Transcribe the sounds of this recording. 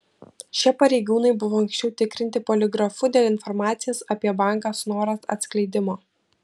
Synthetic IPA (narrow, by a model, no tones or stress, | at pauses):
ʃʲiɛpɐɾʲɛɪɡuːnɐɪbʊʋoːɐŋksʲt͡ʃʲɛʊt̪ʲɪkɾʲɪnʲt̪ʲɪpoːlʲɪɡɾɐfʊd̪ʲeːlʲˠɪnfɔɾmɑːt̪sʲɪjɛsɐpʲiɛbɑˑŋˑkɐsnoːɾɐsɐ̰t̪sklʲɛɪd̪ʲɪmoː